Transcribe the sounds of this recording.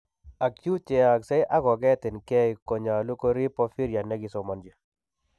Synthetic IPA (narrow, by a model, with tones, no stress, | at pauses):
a˨kt͡ʃju˦t͡ʃɛ˨a˨ksɛ˦ɪ˦ʔa˦ɡɔ˨ɡɛ˦tɪ˨nkɛ˦ɪ˨ko˨ɲa˨lo˦ko˦ɾi˦pɔ˦fi˦ɾija˨nɛ˦ɡɪ˨sɔ˨ma˨nd͡ʒi˨